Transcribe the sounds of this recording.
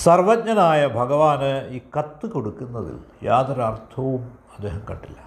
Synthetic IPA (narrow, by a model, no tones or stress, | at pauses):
sɐrʋɐt̚ɲɐnaːjɐbʱɐɡɐʋaːnɨiːkɐt̪ːɨko̞ɽukːunːɐðḭljaːd̪ɐɾɐrt̪ʰɐʋum | ɐd̪ːe̞ːɦɐmkɐɳɖilːɐ